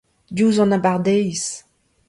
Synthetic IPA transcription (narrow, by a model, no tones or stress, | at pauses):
d̪juːzɑ̃nabaʁd̪ɛjs